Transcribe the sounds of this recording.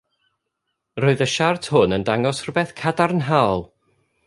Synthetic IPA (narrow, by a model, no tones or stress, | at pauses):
roːɨðəʃartʰhʊnəndaŋɔsrʊbɛθkʰadarnɦaɔlˠ